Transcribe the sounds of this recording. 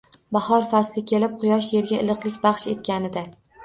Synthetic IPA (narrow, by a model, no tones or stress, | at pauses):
bɑhɒɾfaslɪkʲʰe̞lɪp̚qʰʊjɒʃje̞ɾɡʲaɪlˠɨqlˠɪkʲbɑχʃe̞t̪̚kʲanɪd̪a